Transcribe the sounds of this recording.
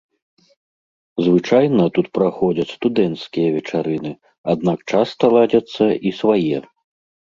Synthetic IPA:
zvɨt͡ʂajnɐt̪ut̪̚pɾaxɔd͡zʲɐt͡sʲst̪ud̪ɛnt̪skʲijɐvʲɛt͡ʂaɾɨnɨ | ad̪̚nakt͡ʂast̪ɐlˠad͡zʲɐt̪sːɐʔisvajɛ

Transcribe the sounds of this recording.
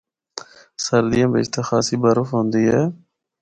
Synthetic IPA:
səɾd̪ijãːbḛːt͡ʃt̪ʰaːxaːsiːbəɾʊfɦõːnd̪iːɦɛː

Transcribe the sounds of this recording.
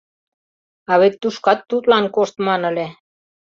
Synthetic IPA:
ɑβet̪ːuʃkɑt̪ːut̪lɑnkoʃt̪mɑnə̆le

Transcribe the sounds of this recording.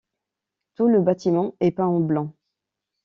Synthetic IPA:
t̪uləbat̪imɑ̃ɛpãɑ̃blɑ̃

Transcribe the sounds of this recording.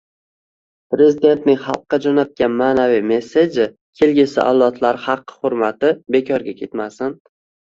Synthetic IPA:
pɾe̞zɪd̪e̞nt̪nɪŋχɑlˠqːɑd͡ʒɒnat̪̚kʲanmaːnavijme̞sːed͡ʒɪ | kʲʰelɡʲɪsɪ̰ʔa̰wlˠɒt̪ʰlaɾχɑqːɨ̥hʊɾmat̪ɪbe̞kʰʲɒɾɡʲakʲʰe̞t̪masɪn

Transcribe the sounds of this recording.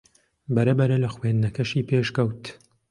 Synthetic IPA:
bɐɾɐbɐɾɐlɐxweːnd̪nɐkɐʃiːpeːʃkɐwt̪

